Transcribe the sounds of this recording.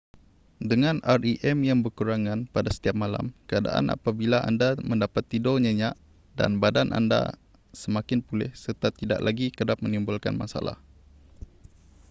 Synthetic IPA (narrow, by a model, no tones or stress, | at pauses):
dəŋãnʔariʔɛmjaŋbərkuɾaŋãnpadasə̥t̪iap̚mala̰mkəada̰ʔa̰nʔa̰pabilaʔa̰ndaməndapat̪ːidɔɲəɲaʔ | da̰nbadanʔa̰nda̰ | səmakɪnpulɪhsərt̪at̪ida̰ʔlaɡikədap̚mənimbʊlka̰nmasa̰la̰h